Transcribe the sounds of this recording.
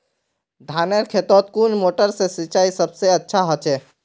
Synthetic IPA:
d̪ʱaneɾkʰet̪ɔt̪̚kunmoʈəɾsesit͡ʃaisəbseətːʃʰaɦət͡ʃɛ

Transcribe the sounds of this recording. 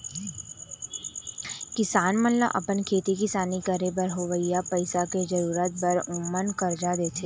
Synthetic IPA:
kɪsaːnmənla̰ʔɐ̰pənkʰeːt̪ikisaːnikəɾebəɾɦoʋəjjapɐɪsaked͡ʒɐɾuːɾət̪̚bɐɾʊmənkɐɾd͡ʒad̪eːt̪ʰeː

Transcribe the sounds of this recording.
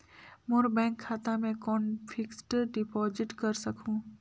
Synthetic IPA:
mʊɾbɛ̃ːŋkʰːaːt̪amẽkɔːnfʰɪksʈɖɪpɔːzɪʈkɐɾsɐkʰũː

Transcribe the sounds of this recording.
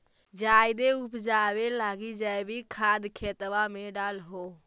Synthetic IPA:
d͡ʒaːɪd̪eʊpd͡ʒaːʋelaːɡid͡ʒaːebʱikʰaːd̪kʰeːt̪ʋamẽɖaːlɦoː

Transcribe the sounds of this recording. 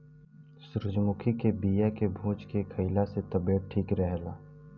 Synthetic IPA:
sʊɾʊd͡ʒmʊkʰikebiːjakebʱũːt͡ʃkekʰɐɪlaset̪ɐbeːʈ̚ʈʰiːkɾɛɦlaː

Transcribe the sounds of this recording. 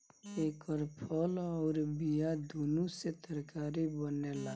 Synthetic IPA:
eːkəɾpʰəlɔːɾbijad̪ʱunuset̪əɾkaːɾibənela

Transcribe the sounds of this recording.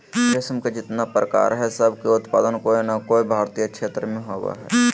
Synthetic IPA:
kɾɪsmkad͡ʒɪt̪napɾəka̰ːɾɦɛsəb̚ʱkeʊt̪paːd̪ənkoːinakoːibʱaːɾt̪ijəkʃʰeːt̪ɾəmẽɦoːɡa̰ɦɛ̰ː

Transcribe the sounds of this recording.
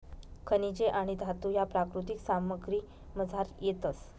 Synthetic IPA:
kʰənid͡ʑeʔaɽ̃id̪ʱat̪ujapɾakɾut̪iksaməɡɾiː | məd͡zʱaɾjet̪əs

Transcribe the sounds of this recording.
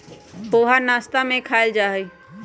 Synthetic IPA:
poːɦanaːst̪amẽkʰaːɪld͡ʒaːɦe

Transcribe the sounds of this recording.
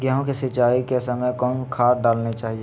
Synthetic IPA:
ɡjaːɦõkesɪt͡ʃaːikesəməjkɔːnkʰaːɾɖaːlnet͡ʃaːɦie

